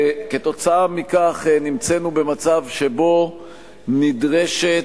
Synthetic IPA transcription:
ke̞t̪o̞t͡saamikaχnimt͡senube̞mat͡savʃe̞bo̞ | nidʁeʃe

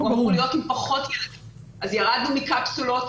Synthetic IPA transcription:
aʁulijo̞t̪impɐχo̞t̪jɛled | azjaʁad̪numikapsulo̞t

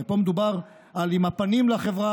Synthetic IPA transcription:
epo̞med̪ubaʁ | alimapanimlaχevʁa

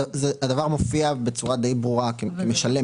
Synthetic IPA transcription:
zead̪avaʁmofiabet͡suʁad̪ejbʁuʁakekemeʃale

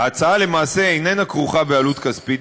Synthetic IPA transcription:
aat͡saale̞maːse̞ejnenakʁuχabealut̪kaspit

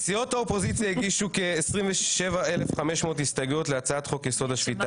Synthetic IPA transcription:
t͡siotaopo̞zit͡sjaiɡiʃukeːsʁimveʃevaelefχameʃmo̞ːthistaɡotleat͡saatχo̞kjeso̞dhaʃvita

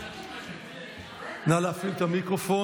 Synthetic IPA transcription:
nalafilt̪amikɾofo

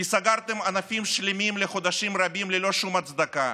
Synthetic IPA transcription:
isaɡaɾt̪emanafʲimʃlʲimʲimleχod̪aʃimrabʲimlelo̞ʃumat̪t͡s̪d̪aka

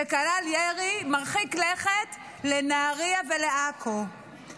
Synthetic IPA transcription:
ekalaljeʁimaʁχikleχet | lenaːʁiaveleʔakʰo

